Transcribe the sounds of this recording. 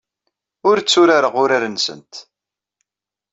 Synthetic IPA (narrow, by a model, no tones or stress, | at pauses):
ʊɾt͡sːʊɾaɾəʁʊɾaɾənsə̰nt̪